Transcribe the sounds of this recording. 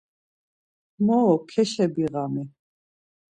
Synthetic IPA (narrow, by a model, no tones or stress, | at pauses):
mɔːkʰɛʃɛbiɣamɛ